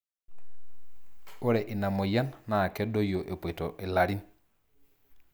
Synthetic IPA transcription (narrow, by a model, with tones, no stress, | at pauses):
o˦ɾɛ˨ʔi˨na˨mo˨ja˦nːaː˨kɛ˦dɔ˦jo˨ʔe˨pwe˨tɔ̰˨ʔe˨la˨ɾi˦n